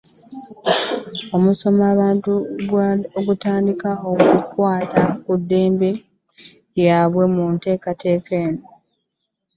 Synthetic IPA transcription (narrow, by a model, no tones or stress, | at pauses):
o̞muso̞maːβaːntuɡoɡutaːndikao̞kukwaːtakudːe̞ːmbe̞ | jaβwe̞munte̞ːkate̞ːke̞ːno